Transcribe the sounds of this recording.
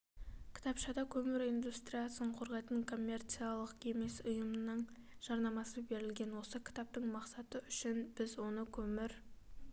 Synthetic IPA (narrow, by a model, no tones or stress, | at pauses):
kʲʰɪ̥t̪ɑpʃɑd̪ɑkʲʰɵmɪɾind̪ust̪ɾʲijasəɴqʰo̞ɾʁɑjt̪əɴkʰo̞mʲːe̞rt̪sijalˠəqe̞me̞sʊjəmənəɴʒ̥ɑɾnɑmɑsəbe̞ɾɪlɡʲe̞nwo̞səkʲʰɪ̥t̪ɑp̚t̪əɴmɑqsɑt̪əʏʃɪnb̥ɪzwo̞nəkʲʰɵmɪɾ